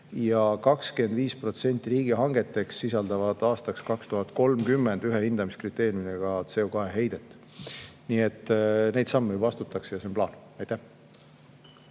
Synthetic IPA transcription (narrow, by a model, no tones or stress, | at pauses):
jɑkɑkskend̪viːspro̞t̪se̞nʲt̪ʲːˑiɾiːɡ̥iɦɑŋɡe̞t̪ːˑe̞ksːisɑld̪̥ɑvɑd̪̥ɑːst̪ɑkskɑkst̪uɦɑt̪̚ko̞lmkymːe̞nd̪yɦehind̪ɑmiskrit̪ːˑe̞ːrjumineɡ̥ɑt̪se̞okɑeɦe̞jd̪̥e̞t̪ːˑ | niːet̪ːne̞jd̪̥sɑmːejubɑɑst̪ut̪ːˑɑksejɑsenmplɑ̰ːn | ɑjt̪æh